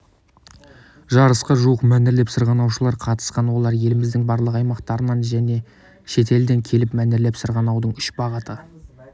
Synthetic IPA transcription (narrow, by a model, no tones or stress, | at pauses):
ʒɑɾəsqəʒuwəqmænɪɾle̞psəɾʁɑnɑwʃəlˠɑɾqʰɑt̪ə̥sqɑnwo̞lˠɑɾje̞lɪmɪzd̪ɪŋbɑɾlˠəqɑjmɑqt̪ɑɾənɑnʒæne̞ | ʃe̞t̪e̞ld̪e̞ŋkʲʰe̞lɪpmænɪɾle̞psəɾʁɑnɑwd̪əɴʏʃbɑʁət̪ə